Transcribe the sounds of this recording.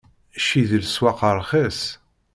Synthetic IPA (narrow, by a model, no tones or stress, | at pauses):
ʃiðlswɑqəɾˤχæs